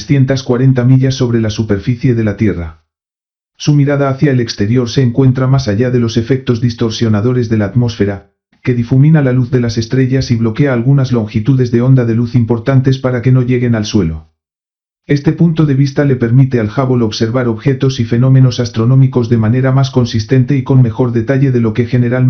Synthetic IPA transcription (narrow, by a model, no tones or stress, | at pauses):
sθje̞nt̪askwaɾe̞nt̪amiʎasːo̞βɾe̞lasupe̞ɾfiθje̞ðe̞lat̪je̞ra | sumiɾaðaːθjaele̞kst̪e̞ɾjo̞ɾse̞ːŋkwe̞nt̪ɾamasaʝaðe̞lo̞se̞fe̞k̚t̪o̞zðist̪o̞ɾsjo̞naðo̞ɾe̞zðe̞laːt̪mo̞sfe̞ɾa | ke̞ðifumĩnalaluθðe̞lase̞st̪ɾe̞ʝasiβlo̞ke̞aːlɣ̞unazlo̞ŋxit̪uðe̞zðe̞o̞nd̪aðe̞luθimpo̞ɾt̪ant̪e̞spaɾake̞no̞ʝe̞ɣe̞nalswe̞lo̞̰ | e̞st̪e̞punt̪o̞ðe̞β̞ist̪ale̞pe̞ɾmit̪e̞alxaβo̞lo̞βse̞ɾβaɾo̞βxe̞t̪o̞sife̞no̞mẽ̞no̞sast̪ɾo̞nomiko̞zðe̞mane̞ɾamasko̞nsist̪e̞nt̪e̞iko̞nme̞xo̞ɾðe̞t̪aʎe̞ðe̞lo̞ke̞xe̞ne̞ɾal